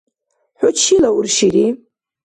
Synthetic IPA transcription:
ħʷʊt͡ʃʰilaʊrʃiɾi

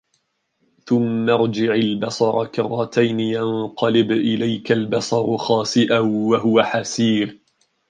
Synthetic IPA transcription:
θʊmːaɾˤd͡ʒɪʕalbɑsˤɑɾˤɑkɑrˤːɑt̪ajnɪjanqɑlɪbʔɪlajkalbɑsˤɑɾˤxɑːsɪʔawaɦʊwaħasiːɾ

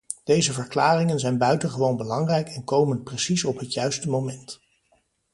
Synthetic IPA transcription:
d̥ejzəvəɹklaːrɪŋənzɛjnbœɥtənχəʋownbəlɑŋrɛjkɛnkowmənprəsisɔpɦətjœɥstəmowmɛnt

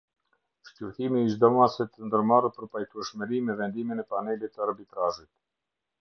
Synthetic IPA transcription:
ʃcuɾt̪imiʃd̪ɔmasɛt̪ənd̪əɾmarupəɾpajt̪uɛʃməɾimɛvɛnd̪iminɛpanɛlit̪əaɾbit̪ɾaʒit̪̚

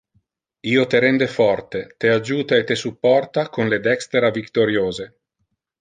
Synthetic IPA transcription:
iːot̪eɾɛnd̪efɔrt̪et̪ead͡ʒuːt̪aet̪ːesupːɔrt̪akonled̪ɛkst̪eɾavikt̪oɾjoːze

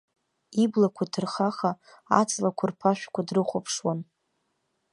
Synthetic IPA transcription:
iblakʷʰadʰɨrχaχa | a̰t͡sʰʼlakʷʰarpʰaʃᶣkʷʰadrɨχʷopʰʂwan

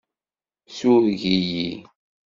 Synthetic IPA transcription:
suɾʝiji

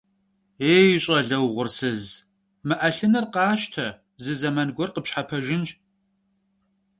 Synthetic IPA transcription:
eːjɪɕʼɐɮɐwʁʷʊrsɨz | mɨʔɐɬɨnɐrqɑːʃtʰɐ | zɨzɐmɐnɡʷɔrqəpɕħapʰɐʒɪnt͡ʃʼ

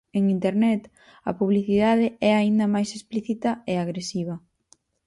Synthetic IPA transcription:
eŋint̪eɾnɛt̪ | ɐ̰puβliθiðaðɪɛaind̪ɐmajsespliθit̪ɐeaɣɾesiβ̞ɐ

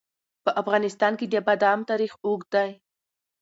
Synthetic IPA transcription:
pəʔafɣɑnɪst̪ɑnked̪əbad̪ɑmt̪ɑɾixoɡd̪aj

